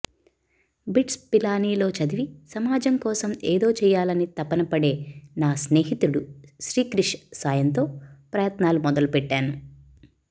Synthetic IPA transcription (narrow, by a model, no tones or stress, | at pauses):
biʈspilaːniːlo̞ːt͡ʃɐd̪iʋisɐmaːd͡ʒɐŋkɔːsɐmeːd̪o̞ːt͡ʃɛːjaːlɐnit̪ɐpːɐnɐpɐɽe̞ːnaːsneːɦit̪uɽuʃɾiːkɾiʂsaːjɐnt̪o̞ːpɾɐjɐt̪naːlumɔd̪ɐlupɛʈːaːnu